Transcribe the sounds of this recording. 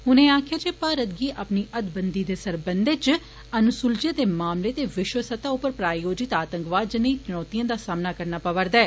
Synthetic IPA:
ɦʊnẽːaːkʰjaːt͡ʃeːpaːɾət̪̚ɡiːʔəpniːʔəd̪bənd̪iːd̪eːsəɾbənd̪eːt͡ʃ | ənʊsʊld͡ʒeːd̪eːmaːmleːt̪eːʋɪʃwəsət̪aːʊpːəɾpɾaːjoːd͡ʒɪt̪aːt̪ə̃ŋkʋaːd̪d͡ʒɪneiːt͡ʃɪnɔːt̪ijãːd̪aːsaːmnaːkəɾnaːpəʋəɾd̪aɛː

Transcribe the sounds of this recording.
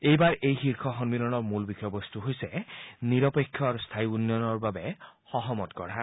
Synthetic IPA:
ejbaɹʔejxiɹkʰɔxɔnmilɔnɔɹmulbixʰɔjɔbɔst̪uɦojsɛniɹɔpekʰːjɔɹst̪ʰajunjɔnɔɹbabɛ | xɔɦɔmɔtkɔɹa

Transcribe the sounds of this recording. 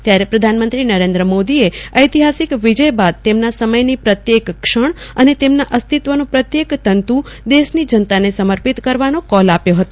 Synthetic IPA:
t̪jaɾepɾəd̪ʱanmənt̪ɾinəɾẽnd̪ɾəmod̪ieəjt̪iɦasikʋid͡ʒəjbad̪̚t̪emnasəməjnipɾət̪jekkʂəɳ̃ənet̪emnaʔəst̪ʰit̪ʋənũpɾət̪jekt̪ənt̪u | d̪eʃnid͡ʒənt̪anesəməɾpit̪kəɾʋanokɔlapjoɦət̪o

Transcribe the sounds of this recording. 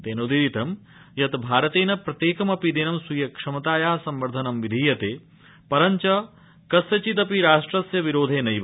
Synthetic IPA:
d̪eːnoːd̪iɾit̪ɐm | jɐt̪bʱaːɾɐt̪eːnɐpɾɐt̪jeːkɐmɐpid̪eːnɐmsujɐkʂɐmɐt̪aːjaːsɐmʋɐɾd̪ʱɐnɐmʋid̪ʱiːjɐt̪eː | pɐɾɐɲt͡ʃɐ | kɐsjɐt͡ʃit̪ɐpiɾaːʂʈɾɐsjɐʋiɾoːd̪ʱeːnɐjʋ

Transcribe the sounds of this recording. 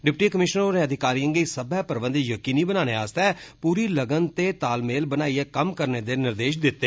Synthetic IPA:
ɖɪpʈiːkəmɪʃnəɾoːɾeːəd̪ʱɪkaːɾiə̃ŋɡeisəbɛːpəɾbə̃nd̪jəkiːniːbənaːñeːaːst̪ɛːpuːɾiːləɡənt̪eːt̪aːlmeːlbənaːiɛːkəmkəɾneːd̪eːnɪɾd̪eːʃ̬d̪ɪt̪ːeː

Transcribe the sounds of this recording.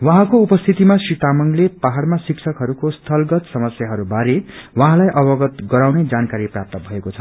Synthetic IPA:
wʌɦãkoupʌst̪ʰit̪imasit̪amʌŋlepaɦarmasiksʰʌkɦʌɾukost̪ʰʌlɡʌt̪sʌmʌsjaɦʌɾubaɾewʌɦãlajʔʌbʌɡʌt̪ɡʌɾawned͡zankaɾiprap̚t̪ʌbʱʌekot͡sʰʌ

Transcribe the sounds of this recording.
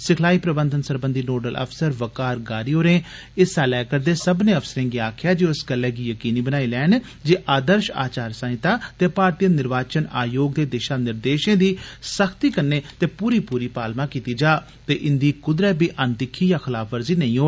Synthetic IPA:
sɪkʰlaːiːpɾəbə̃nd̪ənsəɾbənd̪iːnoːɖəlʔə̰pʰsəɾʋəkaːɾɡaːɾiːɦoːɾẽː | ɪsaːlɛːkəɾd̪eːsəbnẽːəfsəɾẽːɡiaːkʰjaːd͡ʒeːʊsɡəlːɛːɡiːjəkiːniːbənaːiːlɛːn | d͡ʒeːʔaːd̪əɾʃa̰ːt͡ʃaːɾsə̃ɦɪt̪aːt̪eːpaːɾt̪ijənɪɾʋaːt͡ʃənaːjoːɡ̚d̪eːd̪ɪʃaːnɪɾd̪eːʃẽːd̪iːsəkʰt̪iːkəɾnːeːt̪eːpuːɾiːpuːɾiːpaːlmãːkiːt̪iːd͡ʒaː | t̪eːʔɪnd̪iːkʊd̪ɾəbʱiːʔənt̪ɪkʰːiːjaːxʰɪlaːpʰʋəɾziːnəĩːɦoː

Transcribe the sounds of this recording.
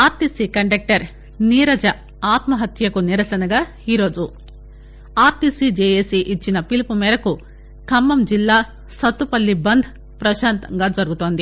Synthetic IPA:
aːɾt̪isiːkɐɳɖɐk̚ʈɐɾ | niːɾɐd͡ʒɐ | aːt̪mɐɦɐt̪jɐkuniɾɐsɐnɐɡaː | iːɾo̞ːd͡ʒu | aːɾt̪isid͡ʒeːjeːsiʔit͡ʃːinɐpilipumɛːɾɐku | kɐmːɐmd͡ʒilːaː | sɐt̪ːupɐlːibɐnd̪ʱ | pɾɐʃaːnt̪ɐŋɡaːd͡ʒɐɾuɡut̪oːnd̪i

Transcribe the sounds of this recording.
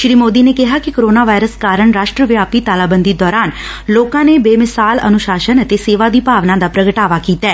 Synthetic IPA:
ʃɾiːmoːd̪iːneːkɪɦaːkɪkoɾoːnaːʋaːɪɾəskaːɾəɳɾaːʃʈɾəʋjaːpiːt̪aːlaːbənd̪iːd̪ɔːɾaːn | loːkãːneːbeːmɪsaːlə̰nʊʃaːʃənət̪eːseːʋaːd̪iːpaːʋnãːd̪aːpɾəɡəʈaːʋaːkiːt̪ɛː

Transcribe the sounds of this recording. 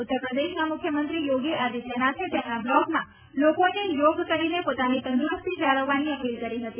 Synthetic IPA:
ʊt̪ːəɾpɾəd̪eʃnamʊkʰjəmənt̪ɾijoɡiʔad̪isenat͡ʃʰet̪emnablɔɡmã | lokonejoɡkəɾinepot̪anit̪ənd̪uɾəst̪ʰid͡ʒaɭəʋːaniəpilkəɾiɦət̪i

